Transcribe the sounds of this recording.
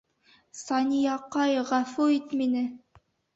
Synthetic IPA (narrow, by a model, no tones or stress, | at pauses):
sɑnʲijɑqɑjʁɑfuit̪minɘ